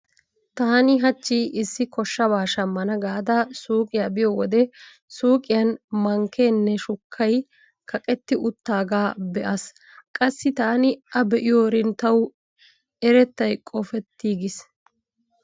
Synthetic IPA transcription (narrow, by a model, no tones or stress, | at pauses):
t̪aːnɪɦɐt͡ʃːiʔɪsːɪkɔʃːɐbaːʃɐmːɐnɐɡaːd̪asuːkʼɪjabɪjɔwɔd̪ɛ | suːkʼɪjɐnmɐŋke̞ːnːɛʃʊkʰːɐj | kʰɐkʼɛt̪ːɪʔʊt̪ːaːɡaːbɛʔɐs | kʼɐsːɪt̪aːnɪʔɐbɛʔɪjoːɾɪnt̪ːɐw | ɛɾɛt̪ːɐjkʼɔfɛt̪ːiːɡɪs